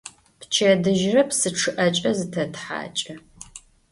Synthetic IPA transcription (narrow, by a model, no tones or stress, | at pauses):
pt͡ʃʰɐdɨʒrɐpsɨʈ͡ʂʰɨʔɐt͡ʃʼɐzɨtʰɐtħa̰ːt͡ʃʼɐ